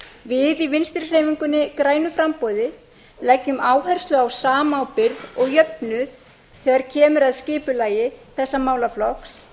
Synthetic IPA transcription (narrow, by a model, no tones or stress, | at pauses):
vɪðivɪnst̪ɪɾ̥r̥eːjviŋkʏnːɪkɾaːjnʏfɾampɔːðɪ | lɛcːʏmaːwɦɛɾ̥st̪lʏawsaːmaːwpɪɾðɔɣjœpnʏθ | θɛːɣaɾ̥cʰɛːmʏɾaðscɪːpʏlaːjɪθɛsːamaːwlaflɔks